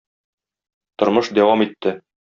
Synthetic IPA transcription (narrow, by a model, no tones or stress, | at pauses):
t̪ŏɾmɤʃd̪æwɑmit̪ːɘ